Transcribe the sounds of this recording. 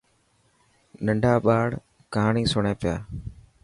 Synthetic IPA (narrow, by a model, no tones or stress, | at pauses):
nəɳɖʱaːɓaːɽ | kaːɳĩːsʊɳẽːpɪja̰ː